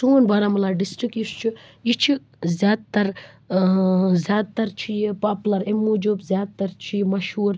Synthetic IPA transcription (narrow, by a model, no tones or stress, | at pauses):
suːnbaɾamulaːɖisʈɾikist͡ʃʰiit͡ʃʰi | zʲjaːd̪̚t̪ɐɾ | zʲjaːd̪̚t̪ɐɾt͡ʃʰijipaːplɐɾemːud͡ʒubzjaːd̪̚t̪ɐɾt͡ʃʰijmɐʃɦuːɾ